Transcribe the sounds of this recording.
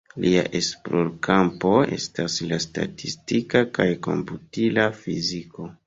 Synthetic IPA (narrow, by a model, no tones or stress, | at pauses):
lʔia̰ʔe̞sploɾkampo̞e̞̰staslasta̰tistikakajko̞̰mputilafiziko̞